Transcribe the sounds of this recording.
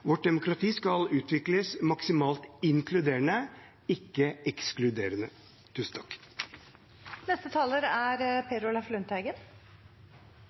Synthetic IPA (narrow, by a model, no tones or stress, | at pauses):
ʋɔʈ̚d̪ɛmʊkɾɑt̪ʰiːskɑlʉːt̪ʰʋɪkləsmɑksɪmɑːlt̪ɪŋkʰlʉd̪eːəɳə | ɪkːəɛksklʉd̪eːɾənə | t̪ʰʉːsn̩t̪ʰɑ̥k | nɛst̪ət̪ʰɑːləɾæɾpʰeɾʊlɑflʉnt̪æɪɡən